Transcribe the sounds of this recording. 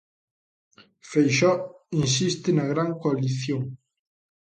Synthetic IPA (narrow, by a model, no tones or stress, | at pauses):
fejʃɔinsist̪enaɣ̞ɾaŋkoaliθjoŋ